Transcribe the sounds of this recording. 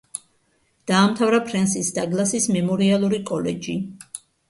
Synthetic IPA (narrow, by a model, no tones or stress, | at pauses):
d̪̥aːmt̪ʰavɾapʰɾɛnsisd̪aɡlˠasismɛmɔɾialˠuɾikʼɔlɛ̰d͡ʒi